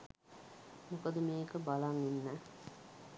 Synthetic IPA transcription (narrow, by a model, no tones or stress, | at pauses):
mukəd̪əmeːkəbalaŋenːɛː